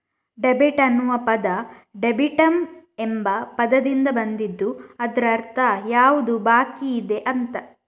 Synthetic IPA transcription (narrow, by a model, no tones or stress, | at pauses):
ɖebiʈɐnːuʋɐpɐd̪ɐ | ɖebiʈɐmembɐpɐd̪ɐd̪ind̪ɐbɐnd̪id̪ːuɐd̪ɾɐɐɾt̪ʰɐjaːʋud̪ubaːkiːd̪e̞ʔɐnt̪ɐ